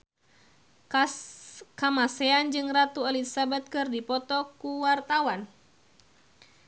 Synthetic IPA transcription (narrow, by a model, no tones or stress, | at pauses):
kamaseand͡ʒɨŋrat̪ualisabat̪̚kɨrdipɔt̪ɔkuwart̪awan